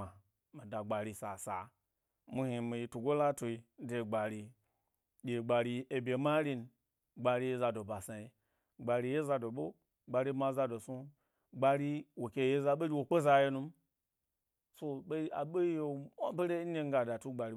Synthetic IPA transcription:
a˨ | mi˨da˨ɡ͡ba˨ɾi˧sa̰˨sa̰˨ | mu˧hi˧mi˧i˧tu˨ɡo˦la˦to˧i˧n̩˦de˧˨ɡ͡ba˨ɾi˧ | dʲe˨ɡ͡ba˨ɾi˧e˧bʲe˨ma˦ɾi˧n˨ | ɡ͡ba˧ɾi˧je˦za˧do˨ba˨sa˨i˧ | ɡ͡ba˨ɾi˧je˦za˧do˨ɓo˦ | ɡ͡ba˧ɾi˧˦ma˧˦za˧do˨su˦ | ɡ͡ba˧ɾi˦wo˨kʲe˧˨je˦za˧ɓo˦ɡʲi˧wo˨k͡po˦za˧je˧nu˧m˦ | so˧ɓe˦a̰˨ɓe˦je˨a˦be˦ɾe˦n̩˦ne˦˧ŋ˦ɡa˨da˨tu˦ɡ͡ba˨ɾi˦

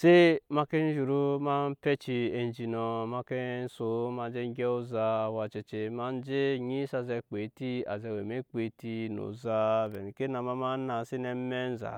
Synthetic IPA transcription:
se˦ma˦ke˦n̩˦ʒu˨ɾu˦ma˦n̩˦pe˦t͡ʃi˧e˨n˨˦d͡ʒi˨nɔ˨ma˧ke˦n˦so˨˦ma˧˦d͡ʒe˦ɡʲɛ˦o˦zaː˦˨wa˨t͡ʃe˨t͡ʃe˨˧ma˦n˦d͡ʒe˦ɲi˦sa˧zɛ˧k͡pe˨˦ti˦a̰˨zɛ˧˨we˨me˦k͡pe˨˦ti˦no̰˨za˦vɛ˨n˨ke˦na˨ma˦ma˦na˨si˦nɛ˦me˦n̩˦za̰˨

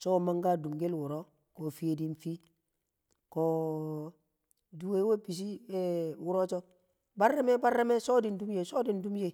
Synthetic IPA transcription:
so˦˨ma˦ŋɡa˦du˨mɡe˦lwu˨ɾo˦ | ko˨fi˦je˨di˦nfi˦ | ko˨ | du˨we˦we˦bi˨s̬i˦e˦wu˦ɾo˦t͡ʃo˦ | ba˦ɾːe˦me˦ba˦ɾːe˦me˦so˦di˨ndu˦mje˨so˦di˨ndu˦mje˨

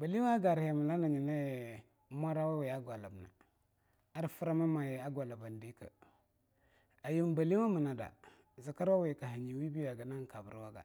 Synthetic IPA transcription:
ba˨li˦a˦ɡa˨ɾha˨mi˨la˦na˨ɲi˨na˦˨˦ | mʷ˦a˦ɾa˦wa˦we˨a˦ɡʷa˨la˨bna̰˨ | a˦ɾfu˦ɾa˦ma˦ma˨ja˦ɡʷa˨la˨ba˨n˨di˦kə̰˨ | a˨ji˦m˦ba˨li˦wa˦mə˨na˨da̰˨ | za˨ka˦ɾwa˦we˨ka˨ɦi˨ɲi˨wi˦bi˦ja˨ɡa˨na˦ŋ˨ka˨bṵ˨ɾwa˦ɡa̰˨

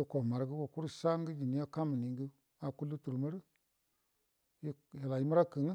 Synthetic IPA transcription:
i˦˧ko˨ma˨ɾɡə˦ko˨ku˦ɾu˦sa˦ŋɡə˦d͡ʒi˨ni˦a˦ka˦mi˨ni˨ŋɡə˦ | a˨ku˦lːu˦tu˨ɾma˦ɾə˦ | ji˦ | ja˨la˨ji˦ma˦ɾa˦kə˨ŋ˦

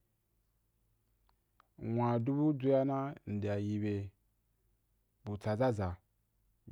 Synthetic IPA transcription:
wʷã˨du˦bu˦d͡zu˦ja˦na˦n̩˨de˨a˨ji˧be˨ | bu˨t͡sa˨za˦za˨

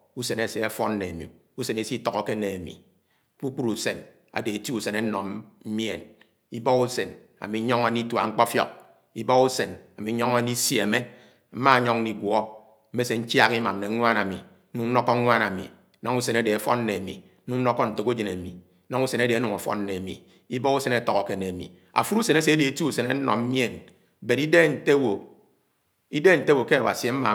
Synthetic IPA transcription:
u˦se˨ne˨se˨a˦fɔ˦nː˦e˨a˨mḭ˨ | u˦se˨ne˦si˦tɔ˨kɔ˨ke˦ne˨a˨mḭ˨˦ | k͡pu˦k͡pu˦ɾu˨se˨n | a̰˨de˨e˨ti˦u˦˨se˨ne˦nɔ˨mm̩˦mje˨n | i˦bɔ˦ku˦se˨n | a̰˨mi˨˦ɲɔ˦ŋa˦ni˦ta˨ŋ͡m̩˦k͡pɔ˦fjɔ̰˦k̚ | i˦bɔ˦ku˦se˨na˨mi˨˦ɲɔ˦ŋa˦ni˦sje˨me˦ | m̩˦ma˦ɲɔ˦ŋni˨ɡwɔ˦ | m̩˦e˦se˨n̩˦t͡ʃja˦ki˦ma˨m˨ne˨˦ŋʷ˦a˦na˨mi˨ | n̩˦nu˨n̩˦nɔ˦kɔ˦ŋʷ˦a˦na˨mḭ˨˦ | nɔ˦ŋu˦se˨ne˦de˨e˨fɔ̰˦n˦ne˨a˨mḭ˨˦ | nu˦n̩˦nɔ˦kːɔ˦n̩˨to˨ku˦d͡ʒe˨ne˨mi˨˦ | nɔ˦ŋu˦se˨ne˦de˨˦nu˨ŋo˨fɔ̰˦n˦ne˨a˨mḭ˨ | i˦bɔ˦ɣu˦se˨ne˨˦tɔ˨kɔ˨ke˨ne˨mḭ˨ | a̰˨fu˦ɾu˦se˨ne˦se˨e˦de˨e˨˦tu˦u˨se˨ne˦nɔ̰˨m̩˦mje˦˨n˦ | be˨ɾi˦de˦n̩˨te˦wo˨ | i˦de˦n̩˨te˦wo˨ke˦a˨wa̰˨si˨e˨˦m̩˦ma̰˨

